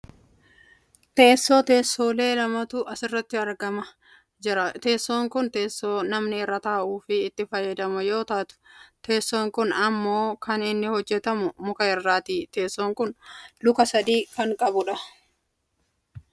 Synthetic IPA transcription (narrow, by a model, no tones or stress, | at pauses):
t̪e̞ːsːo̞ːt̪e̞ːsːo̞ːle̞ːlɐmɐt̪ʊɐsɪrːɐt̪ːɪɐɾɡɐmɐ | d͡ʒɪɾɐt̪e̞ːsːo̞ːŋkʊnt̪e̞ːsːo̞ːnɐmnɪrːɐt̪aːʔuːfɪːt̪ːɪfɐjːɐd̪ɐmʊjo̞ːt̪aːt̪ʊ̥t̪e̞ːsːo̞ːŋkʊnɐmːo̞ːkɐnɪnːɪhɔd͡ʒːɛt̪ɐmʊmʊkɐɪrːaːt̪iːt̪e̞ːsːoːŋkʊnlʊkɐsɐd̪iːkɐŋkʼɐbʊᶑɐ